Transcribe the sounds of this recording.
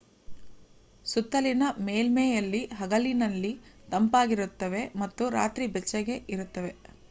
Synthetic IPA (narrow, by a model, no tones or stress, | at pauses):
sut̪ːɐlinɐmeːlmejɐlːiɦɐɡɐlinɐlːit̪ɐmpaːɡiɾut̪ːɐʋe̞mɐt̪ːuɾa̰ːt̪ɾibɛt͡ʃːɐɡe̞iɾut̪ːɐʋe̞